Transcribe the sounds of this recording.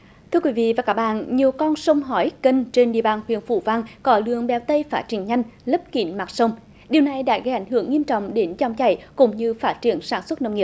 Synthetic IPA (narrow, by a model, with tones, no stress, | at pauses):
t̪ʰɨ˧əkwi˨˦vḭ˧˨vaː˨˩kaː˦˥k̚ɓa̰ː˧˨nɲi˨˩əwkɔ˧nsə˧wŋ͡mɦɔ˨˦jkə˧nt͡ɕe˧nɗḭ˧˨ə˩ɓaː˨˩nhwḭ˧˨ənfṵ˧˩va˧ŋkɔ˨˦lɨ̰˧˨əŋɓɛ˨˩wt̪ə˧jfaː˦˥t̚t͡ɕḭ˧˩əŋɲa˧jŋ̟lə˦˥p̚kḭ˧˩˦nmaː˨˩t̚sə˧wŋ͡m | ɗi˨əwna˨˩jɗa̰ː˧˥ɣə˧jʔa˧˩jŋ̟ɦɨ˧˩əŋːi˧əmt͡ɕɔ̰˧˨wŋ͡mɗe˨˦nt͡ɕɔ˨˧˩wŋ͡mt͡ɕa̰˧˩jkʊ̰˧˥ŋ͡mɲɨ˧faː˦˥t̚t͡ɕi˧˩ənsaː˧˩nswə˦˥t̚nə˧ŋ͡mŋi˨˩əp̚